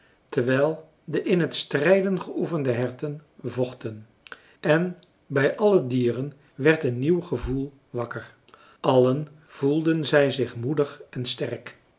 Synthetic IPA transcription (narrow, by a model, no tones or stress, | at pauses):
təɹʋɛjlˠ | dəʔɪnɦətstrɛjdənχəʔufəndəɦɛɹtənvɔχtən | ʔɛn | bɛjʔɑlədiːrən | ʋɛɹtənnːiwχəvulˠ | ʋɑkəɹ | ʔɑlən | v̥ulˠdənzɛjzɪχmudəχɛnstɛrk